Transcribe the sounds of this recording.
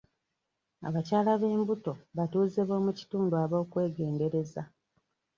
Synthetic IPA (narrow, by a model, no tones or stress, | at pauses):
a̰βacaːlaβe̞ːmbuto̞βatuːzeβo̞ːmuci̥tuːnduaβo̞ːkwe̞ːɡe̞ːnde̞ɾe̞za